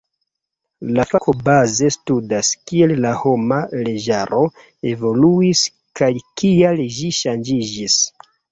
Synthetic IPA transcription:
lafakʰobaze̞studaskiellaho̞male̞ʒaɾo̞ | e̞vo̞luis | kajkialʒiʃand͡ʒid͡ʒis

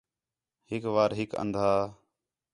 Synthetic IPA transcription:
hɪkʋaːɾɦɪkə̰̃nd̪ʱaː

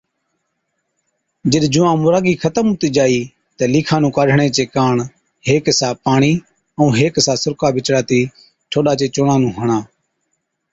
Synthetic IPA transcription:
d͡ʒəɗd͡ʒʊʋãːmʊɾaːɡiːkʰət̪əmʊt̪iːd͡ʒaːiː | t̪eːliːkʰãːnũːkaːɖʱɳeːt͡ʃeːkaːɳ | heːksaːpaːɳiː | əũːɦeːksãːsʊɾkaːbɪt͡ʃɽaːt̪iː | ʈʰoːɗaːt͡ʃeːt͡ʃʊɳãːnũːɦəɳãː

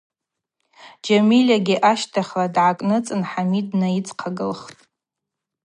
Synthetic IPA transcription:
d͡ʒamilʲaɡʲiʔaʃtʰaχʲladʕakʼnɨt͡sʼɨnħamidnait͡sʰʼqʰaɡɨlχtʼ

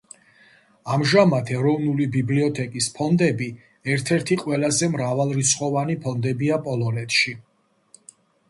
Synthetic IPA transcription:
amʒamat̪ʰɛɾɔvnulibibliɔt̪ʰɛkʼispʰɔnd̪ɛbi | ɛɾt̪ʰɛɾt̪ʰiqʼwɛlazɛmɾavalˠɾit̪sʰχɔvanipʰɔnd̪ɛbiapʼɔlˠɔnɛt̪ʰʃi

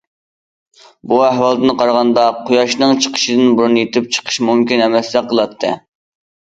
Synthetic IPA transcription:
buæɦwɑlˠd̪ɨnɨqɑɾʁɑnd̪ɑqʰojɑʃnɨŋt͡ʃʰə̥qʰə̥ʃid̪ɨnbuɾunjet̪ʰɪp̚t͡ʃʰə̥qʰə̥ʃmumkʲinɛmɛsd̪ɛqʰəlˠɑt̪ʰːɨ̰

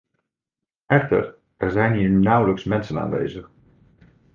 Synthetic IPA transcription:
ʔɛxtə̰r | ɛrzɛjnɦiːɹnawləksmɛnsəna̰ːnʋḛjzəx

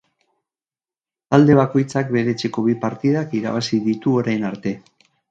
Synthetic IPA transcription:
ald̪e̞β̞ako̞jt͡sak̚be̞ɾe̞t͡se̞ko̞βipaɾt̪iðakiɾa̰βasiðit̪uo̞ɾajnaɾt̪e̞

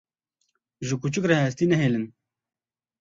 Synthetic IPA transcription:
ʒɨkut͡ʃɨkrɛɦɛs̬t̪iːnɛɦeːlɨn

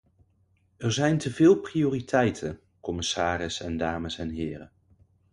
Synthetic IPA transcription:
ɛɹzɛjntəvɪːlˠprijoːritʰɛjtʰən | kɔmɪsaːɾɪsɛndaːməsɛnɦɪːɾə̰n

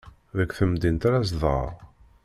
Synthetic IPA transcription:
ðəkʷːθəmd̪int̪ɾæs̬ðˤʁə̰ɾˤ

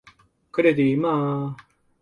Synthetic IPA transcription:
kɯɾed̪ima

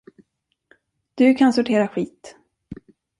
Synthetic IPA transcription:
d̪̥ɵkʰansʊʈʰeːɾaɧiːt̪

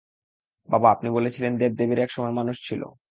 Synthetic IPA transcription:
babaapnibolet͡ɕʰilend̪eb̚d̪ebiɾɛkʃɔmɔemanuʃt͡ɕʰilo̰

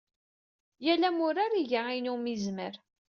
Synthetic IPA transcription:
jælæmʊɾaɾiʝainumizməɾ

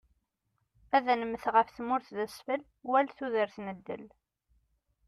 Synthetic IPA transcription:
æðænəməθʁəfθmʊɾθðəsfəl | wælθuðəɾθnəd̪ːə̰l

